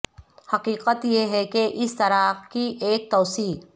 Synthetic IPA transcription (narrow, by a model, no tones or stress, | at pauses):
hɐqiːqət̪jeɦɛkeʔɪst̪ɐɾakiʔeːk̚t̪oːsiː